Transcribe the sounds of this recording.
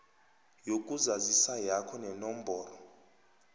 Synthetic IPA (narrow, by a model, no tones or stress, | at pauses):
jokʼuzazisajakʰɔnɛnɔmbɔːrɔ